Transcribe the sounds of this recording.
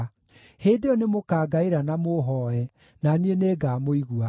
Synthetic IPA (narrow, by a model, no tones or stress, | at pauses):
heːdeɔnemokaːɡaeɾanamoɦɔɛ | nanieneːɡaːmoiɣua